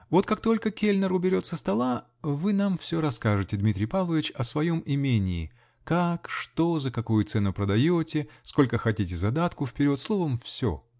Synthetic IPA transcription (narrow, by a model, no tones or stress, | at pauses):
vo̞t̪̚kak̚t̪o̞lʲkəkʲelʲnərʊbʲɪɾʲo̞t̪səst̪ɐlˠa | vɨnamfsʲo̞ɾɐskaʐɨtʲɪd̪mʲit̪ʲɾʲɪjpalˠəvʲɪt͡ɕɐsvɐjo̞mɪmʲenʲɪː | kakʂt̪ozəkɐkujʊt̪sɛnʊpɾəd̪ɐjotʲɪsko̞lʲkəxɐtʲitʲɪzɐd̪at̪kʊfpʲɪɾʲo̞t̪slˠo̞vəmfsʲo̰